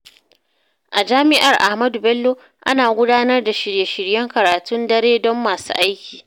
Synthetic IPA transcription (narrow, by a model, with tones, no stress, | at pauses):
ʔa˨d͡ʒaː˦mɪ˦ʔa˨rʔa˨hmɐ˦du˨bɛ˦lːoː˦ | ʔa̰˦naː˨ɡʷʊ˦daː˦nɐ˦rda˨ʃɪ˨ɽje˨ʃɪ˨ɽjɛ˦ŋkɐ˨ɾaː˨tʊ˦ndɐ˦ɽeː˦dɔ˦mːaː˨sṵː˦ʔa˦jkʲiː˨